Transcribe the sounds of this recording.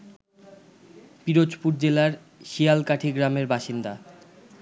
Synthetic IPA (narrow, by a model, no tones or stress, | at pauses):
piɾod͡ʑpuɾd͡ʑelaɾ | ʃijalkaʈʰiɡɾameɾbaʃind̪a